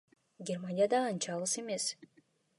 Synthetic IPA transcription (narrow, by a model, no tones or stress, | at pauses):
ɡʲermanʲijad̪ɑːnt͡ʃɑʁɯse̞me̞s